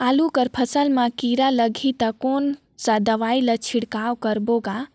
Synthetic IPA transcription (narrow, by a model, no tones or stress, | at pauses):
aːlukəɾpʰəsəlmãkiɾaləɡʱit̪əkon | sad̪əʋailət͡ʃʰiɽkawkəɾboɡa